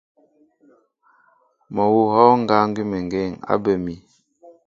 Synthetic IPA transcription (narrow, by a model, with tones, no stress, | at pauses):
mɔ˨wu˨hɔ˦ŋ̩˦ɡa˦ŋ˦ɡi˦me˨ŋ˨ɡe˦˨ŋa̰˦bə˨mi˨